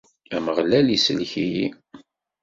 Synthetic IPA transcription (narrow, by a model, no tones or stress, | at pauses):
æməʁlælisəlçiji